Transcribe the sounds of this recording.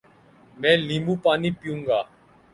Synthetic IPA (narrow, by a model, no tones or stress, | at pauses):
mɛ̃ːliːmũːpaːniːpɪjũːŋɡaː